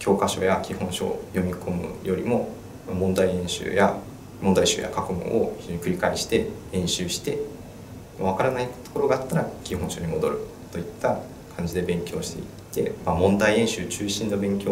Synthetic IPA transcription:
kʲo̞ːkaɕo̞̰ːjakʲihõ̞ɰ̃ɕo̞̰ːjo̞mʲikʰo̞mɯ̟̰jo̞ɾʲimo̞ | mamõ̞nd̪aiẽ̞ɰ̃ɕɨ̰ːja | mond̪aiɕo̰ːja̰kakɯ̟mõ̰ʔoçizd͡ʑo̞ɲikɯ̟ɾʲikaiɕi̥t̪e̞ɾẽ̞ɰ̃ɕɨːɕi̥t̪e̞ | maβ̞akaɾanait̪o̥koɾo̞ɡaːt̪ːaɾakʲiɦõ̞ɰ̃ɕo̞ːɲ̟imo̞d̪o̞ɾɯ̟ | t̪o̞it̪ːa | kʰãɲ̟d͡ʑid̪e̞bẽ̞ŋkʲo̞ːɕi̥t̪e̞̰i | t̪ːe̞̰mamõnd̪aiẽ̞ɰ̃ɕɨːt͡ɕɨːɕĩnd̪obẽ̞ŋkʲo̞ː

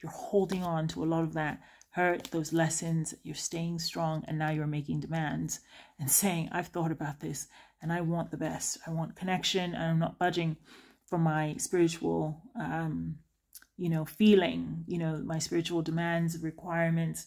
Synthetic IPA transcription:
jə˞hoʊlˠdɪ̃ŋə̃ntʰəəlɔɾʌvðɨt̚hɜ˞t̪̚ðoʊzlɛsɨ̃nzðɨt͡ʃə˞steɪɪ̃ŋstɹ̥ɔ̃ŋɨ̰̃nːaʊjə˞meɪkɪ̃ŋdɨmæ̃ndz̥ɨ̃nseɪɪ̃ŋa̰ɪv̥θɔɾɨbaʊt̪̚ðɪsɨ̃naɪwɑ̃nðəbɛstaɪwɑ̃nkʰɨnɛkʃɨ̃nɨ̰̃nãɪ̃mnət̚b̥ʌd͡ʒɪ̃ŋ | fə˞maɪspɪɹɨt͡ʃul̩ˠʌ̃m | jɨnoʊfilˠɪ̃ŋjɨñoʊmaɪspɪɹɨt͡ʃul̩ˠdɨmæ̃ndzʌvɹɨkʰw̥aɪɹmɨ̃nts

